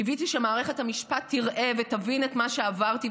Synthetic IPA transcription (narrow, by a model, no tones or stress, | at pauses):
ivitiʃemaːʁe̞χe̞thamiʃpatʰːiʁʔe̞vetavinetmaʃe̞avaʁt̪i